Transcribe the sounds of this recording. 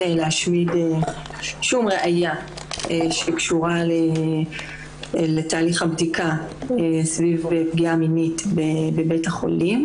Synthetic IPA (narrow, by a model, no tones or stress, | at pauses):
eleaʃmide | ʃumʁeʔaja | eʃekʃuʁale | letaːliχabdikaesvivepɡiaminitbebebethaχo̞̰lim